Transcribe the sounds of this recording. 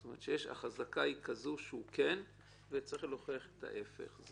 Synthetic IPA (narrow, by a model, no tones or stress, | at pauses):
tomeʁet̪ʃejeʃa̰χazakaikazuʃeuken | vet͡sʁiχelo̞χeaχet̪ʰa̰ʔefḛχz